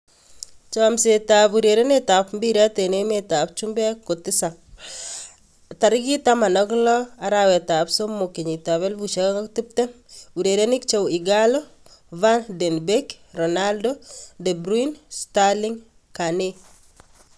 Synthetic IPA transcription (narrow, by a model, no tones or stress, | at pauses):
t͡ʃɔmsetapuɾeɾenetapmbiɾatenemetap̚t͡ʃumbɛkotɪsa | taɾɪɡitamanɔklɔaɾawɛtapsomːokiɲitaβɛlbuʃaaŋaktip̚tɛ | uɾeɾenikt͡ʃowiɡalo | vandɛnbek | rɔnaldodɛbɾinstalɪŋ | kane